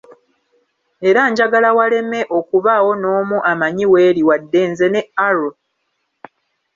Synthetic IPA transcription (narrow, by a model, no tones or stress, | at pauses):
e̞ɾaɲɟaɡalawale̞me̞ʔo̞kuβaːwo̞no̞ːmuʔamaɲiwe̞ːɾiwadːe̞ːnzene̞aɾo